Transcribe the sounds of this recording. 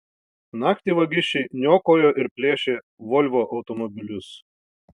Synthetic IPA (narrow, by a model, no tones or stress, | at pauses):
nɑːkt̪ʲiʋɐɡʲɪʃʲɛɪnʲoːkoːjoːʔɪɾpʲlʲeːʃʲeː | ʋɔlʲʋʲoːʔɒʊt̪ɔmɔbʲɪlʲʊs